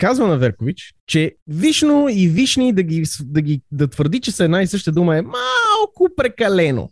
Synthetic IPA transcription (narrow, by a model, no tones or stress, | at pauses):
kazvənɐvɛɾkovit͡ʃt͡ʃɛviʃnoiviʃnid̪ɐɡisd̪ɐɡʲid̪ɐt̪vəɾd̪it͡ʃɛsəɛd̪naisɤʃt̪əd̪uməɛmalˠkʊpɾɛkɐlɛno̰